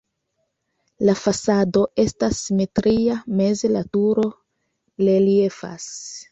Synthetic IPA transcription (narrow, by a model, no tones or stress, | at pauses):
lafasado̞ʔe̞stasːime̞tɾiame̞zelatuɾo̞ | le̞lie̞fa̰s